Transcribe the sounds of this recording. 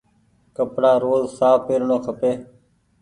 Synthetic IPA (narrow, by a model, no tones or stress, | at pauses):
kəpɽaːɾoːzsaːfpeːɾɳoːkʰəpeː